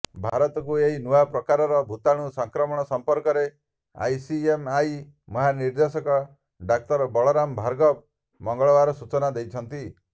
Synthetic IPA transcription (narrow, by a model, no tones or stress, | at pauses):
bʱaɾɔt̪ɔkueɦinuapɾɔkaɾɔɾɔbʱut̪aɽ̃usɔŋkɾɔmɔɽ̃ɔsɔmpɔɾkɔɾe | a̰jsiemaj | mɔɦaniɾd̪esɔkɔ | ɖak̚t̪ɔɾbɔɭɔɾambʱaɾɡɔb | mɔŋɡɔɭɔbaɾɔsut͡ʃɔnad̪ejt͡ʃʰɔnt̪i